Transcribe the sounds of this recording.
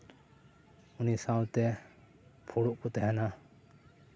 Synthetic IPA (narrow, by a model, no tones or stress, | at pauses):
unisawlt̪ɛ | pʰuɽuʔkut̪ɛɦɛna